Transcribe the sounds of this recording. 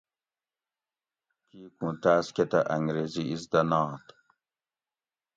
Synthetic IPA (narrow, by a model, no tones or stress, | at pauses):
kiːkũːt̪aːsket̪ɐʔɐŋɡɾeːziizd̪ɐnɑːt̪